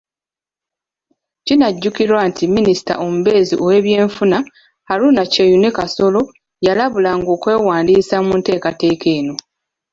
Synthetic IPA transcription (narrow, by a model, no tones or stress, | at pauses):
cinaɟːukiɾwantʰimːinisi̥ta̰ʔo̞muβe̞ːzḭʔo̞we̞ːβje̞ːɱfuna | haɾuːnacejunekaso̞lo̞ | jalaβulaŋɡo̞ːkwe̞ːwaːndiːsamunte̞ːkate̞ːkʰe̞ːno̞